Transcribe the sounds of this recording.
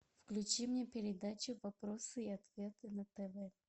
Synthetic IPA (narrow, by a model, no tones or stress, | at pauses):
fklʲʉt͡ɕimnʲepʲɪɾʲɪd̪at͡ɕʊvɐpɾosɨiɐt̪vʲe̞t̪ɨnɐt̪ɛvɛ